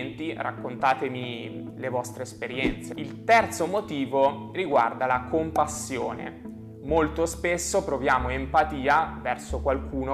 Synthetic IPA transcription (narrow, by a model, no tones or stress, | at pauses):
nt̪ira̰kːont̪aːt̪emi | levɔst̪ɾeːspeɾjɛnt̪seilt̪ɛrt̪somot̪iːvo | riɡwa̰rd̪alakʰompasːjoːnḛ | molt̪ospesːopɾovjaːmoempat̪iːavɛrsokwalkʰuːno